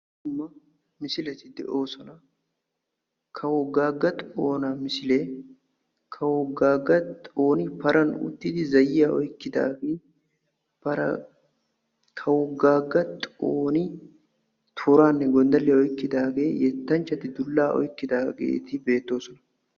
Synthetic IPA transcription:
ʊmːɐ | mɪsɪlɛt̪ɪd̪ɛ̰ʔo̞ːsɔnɐ | kʰɐwɔɡːaːɡːɐt̪ʼoːnɐmɪsɪleː | kʰɐwɔɡaːɡːɐt̪ʼoːnɪpɐɾʔɐnʊ̰t̪ːɪd̪ɪzɐjɪjaɔjkːɪd̪a̰ːɡeː | pɐɾɐ | kʰɐwɔɡaːɡːɐt̪ʼoːnɪ | t̪ʰuɾaːnːɛɡɔnd̪ɐlːɪjɐɔjkːɪd̪aːɡeːjɛt̪ːɐnt͡ʃːɐt̪ɪd̪ʊlːaːʔɔ̰jkːɪd̪aːɡḛːt̪ɪbe̞ːt̪ːo̞ːsɔnɐ

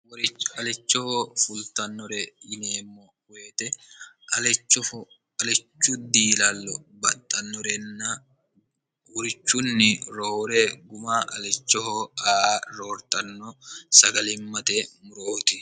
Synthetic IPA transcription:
wɐlɛt͡ʃːɔhoːfʊlt̪ɐnːɔɾɛɪneːmːɔ | weːt̪ɛ | ɐɛt͡ʃːɔ | ɐlɛt͡ʃːʊd̪iːlɐlːɔbɐt̪ʼːɐnːɔɾɛnːɐ | wɔɾɪt͡ʃːʊnːɪɾoːɾɛɡʊmaːʔɐlɛt͡ʃːɔhoːaːɾoːɾt̪ɐnːɔsɐɡɐlɪmːɐt̪eːmʊɾoːt̪ɪ

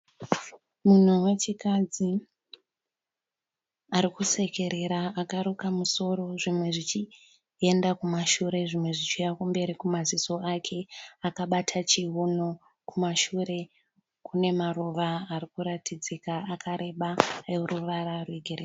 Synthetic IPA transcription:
mun̤uwe̞t͡ʃikad͡zi | aɾikuse̞ke̞ɾe̞ɾaakaɾukamuso̞ɾo̞ʐimwe̞ʐit͡ʃi | e̞ndakumaʃuɾe̞ʐimwe̞ʐit͡ʃijakumbe̞ɾikumaziso̞akʰe̞akaɓatʰat͡ʃiono̞ | kumaʃuɾe̞ | kune̞maruʋaːrikuɾatʰid͡zikaakʰaɾʔe̞ɓaeruʋaɾarweɡʱeɾeː

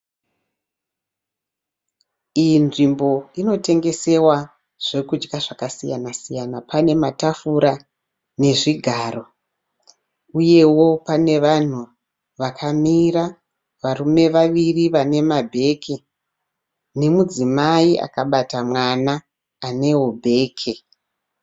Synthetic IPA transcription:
ijinʐimbo̞ino̞te̞ŋɡe̞se̞wa | ʐ̥e̞kud͡ʒɡaʐakasija̰nasijanapane̞matafuɾa | ne̞ʐiɡʱaːro̞ | uje̞wo̞pane̞ʋan̤u | ʋakʰamiɾa | ʋarume̞ʋaʋiriʋane̞mabʱe̞ːkʰe | ne̞mud͡zimaiʔa̰kaɓatamwanaː | ne̞wobʱe̞ːkʰe

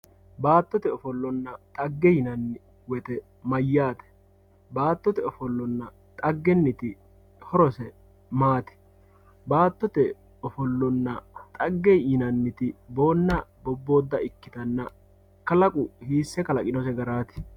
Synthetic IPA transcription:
baːt̪ːɔt̪ɛɔfɔlːɔnːɐt̪ʼɐɡːɛjɪnɐnːɪ | wɛt̪ɛ | mɐjːaːt̪ɛ̥ | baːt̪ːɔt̪ɛɔfɔlːɔnːɐ | t̪ʼɐɡːɛnːɪt̪ɪ | hɔɾɔsɛ | maːt̪ɛ̥ | baːt̪ːɔt̪ɛ | ɔfɔlːɔnːɐt̪ʼɐɡːɛjɪnɐnːɪt̪ɪbo̞ːnːɐbɔbːo̞ːd̪ːɐ̰ɪkːɪt̪ɐnːɐ | kɐlɐkʼʊhiːsːɛkɐlɐkʼɪnɔsɛɡɐɾaːt̪ɪ̥

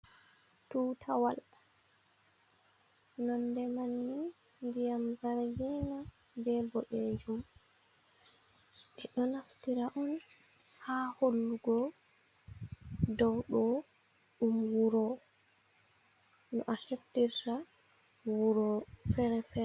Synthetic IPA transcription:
tuːtʰawal | nɔndɛmanːi | ndijamzaɾɡɛna | bɛbɔɗed͡ʒum | ʔɛɗɔnaftiɾaʔɔn | haholːuɡɔ | dɔwɗɔ | ɗumwuɾɔ | nɔʔaheftiɾta | wuɾɔfɛɾɛfɛ

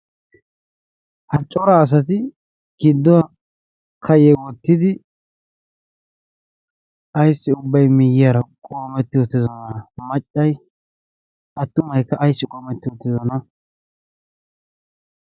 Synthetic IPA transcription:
hɐt͡ʃʼːɔɾaːs̬ɐt̪̬ɪ | ɡ̥ɪd̪ːɔwa | kʰɐjɛwɔt̪ːɪd̪ɪ | ɐjsːɪʊbːɐjmɪjːɪjaːɾɐkʼoːmɛt̪ːɪwɔt̪ːɪzɔnɐmɐt͡ʃʼːɐj | ʔɐt̪ːʊmɐjkːɐʔɐjsːɪkʼoːmɛt̪ːɪwɔt̪ːɪzɔnɐ

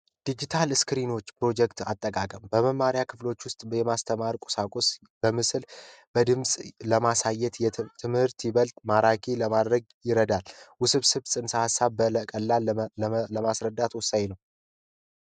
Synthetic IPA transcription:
d̪̥id͡ʒit̪ʰalskɾino̞t͡ʃːpɾo̞d͡ʒɛkt̪at̪ʼːəkʼakʼəmbəməmːaɾjakʰɨflo̞t͡ʃːwʊst̪ʼbjɛmast̪ʰəmaɾkʼʊ̥sakʼos | b̥əmɨslb̥əd̪ɨmsʼləmasajːɛt̪ɛt̪ʰɨmhɨɾt̪jɪβəlt̪maɾakʰiləmad̪ɾəɡ | jɪɾəd̪alwʊsɨβsɨβsʼɨnsahasːaβbələkʼəlːalləmasɾəd̪ːat̪wʊsːaɲnəw

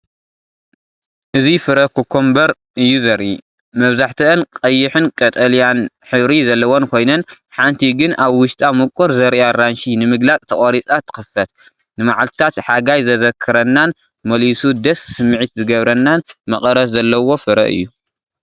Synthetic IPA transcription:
ʔɨzifɨɾɐkʰukʰːombɐɾ | ʔɨjːuzɐɾʔḭ | mɐβzaħt̪ʰɨʔːnkʼɐjːɪħɨnkʼɐt̪ʼɐljan | ħɨβɾizɐlːɐwonkʰo̞jnɐn | ħant̪ʰiɡɨnaβwʊʃt̪ʼamɨkʼoɾzɐɾjaɾanʃinɨmɨɡlat͡sʼt̪ʰɐχʼoɾit͡sʼat̪ʰɨ̥xɨfɐt̪̚ | nɨmaʕalt̪ɨ̥t̪ʰat̪ħaɡajzɐzɐkʰːɨɾɐnːan | mɐlisud̪ɐsːɨmːɨʕit̪zɨɡɐβɾɐnːanmɐχʼɐɾɐszɐlːɐwo̞fɨɾɐ̰ʔɨ̰jːu

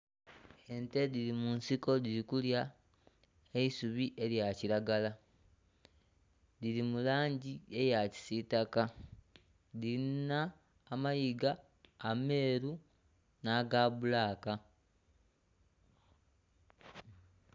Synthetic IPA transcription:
e̞nte̞dilimunsiko̞diɾikulja | eisuβiʔe̞ljacilaɡala | dilimulaːɲɟie̞jaci̥sitaka | dinaː | majiɡaː | me̞ːɾu | naɡaβulaːka

